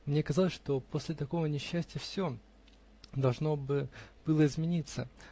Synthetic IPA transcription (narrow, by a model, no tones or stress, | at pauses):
mnʲe̞kɐzɑlˠəsʲʂt̪o̞po̞sʲlʲɪt̪ɐko̞vənʲɪɕːæsʲtʲɪjəfsʲo | d̪ɐlˠʐno̞bɨb̥ɨlˠəɪzmʲɪnʲit̪sə